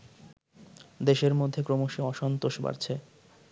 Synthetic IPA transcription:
d̪eʃeɾmod̪ʱːekɾomoʃeɔʃɔnt̪oʃba̰ɾt͡ɕʰe

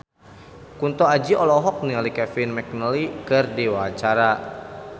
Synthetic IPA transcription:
kunt̪ɔad͡ʒiʔɔlɔɦɔk̚nialikɛfɪnmɛk̚nəlikɨrdiwat͡ʃaɾa

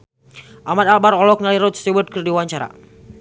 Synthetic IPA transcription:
ʔamad̪albaɾɔlɔk̚naliɾɔt̪siwəd̚kərdiwaɲt͡ʃaɾa̰

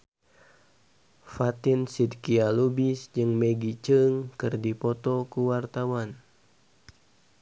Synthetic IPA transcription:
fat̪ɪnsid̪kialubisd͡ʒɨŋmɛɡit͡ʃɨŋkɨrdipɔt̪ɔkuwart̪awan

